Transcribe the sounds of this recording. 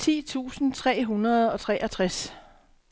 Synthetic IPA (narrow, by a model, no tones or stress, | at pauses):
t͡sʰḭːt͡sʰṵːsn̩t͡sʰʁɛ̰ːɦunɐð̞ˠɒ̽t͡sʰʁɛ̰ːʔæt͡sʰʁas